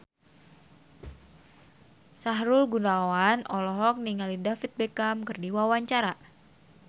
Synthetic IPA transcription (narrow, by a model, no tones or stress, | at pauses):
saɦɾulɡunawanʔɔlɔɦɔk̚niŋalidafit̪̚bekamkɨrdiwawaɲt͡ʃaɾa